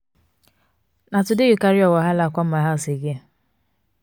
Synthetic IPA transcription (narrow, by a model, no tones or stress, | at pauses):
natʊdɪjukaɾiɔwaɦalakʷɔm̩aɦɛlseɡe